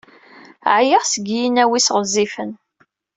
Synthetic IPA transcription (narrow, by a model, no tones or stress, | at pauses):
ʕjəʁsəɡjinæwisʁəzˤːifən